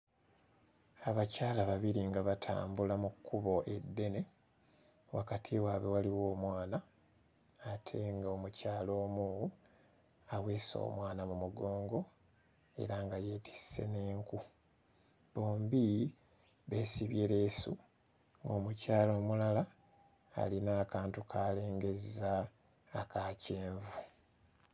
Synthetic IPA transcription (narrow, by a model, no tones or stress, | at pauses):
aβacaːlaβaβiɾiŋɡaβatʰa̰ːmbulamukːuβo̞ʔe̞d̪ːe̞ne̞ | wʔa̰katʰiwaβewaliwo̞ːmwaːnaː | tʰe̞ŋɡao̞mucaːlo̞ːmu | awe̞ːso̞̰ːmwaːnamumuɡo̞ːŋɡo̞ | e̞̰ɾaŋɡaje̞ːti̥sse̞̰ne̞ːŋku | βo̞ːmbi | βe̞ːsiβjeɾesṵ | ŋɡo̞ːmucaːlo̞ːmulala̰ː | linaːkaːntukʰaːle̞ːŋɡe̞zaː | kʰaːce̞ːɱvu